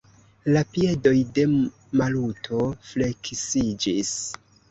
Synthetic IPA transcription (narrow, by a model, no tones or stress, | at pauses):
lapie̞do̞jde̞ | malutʰo̞fle̞kisid͡ʒis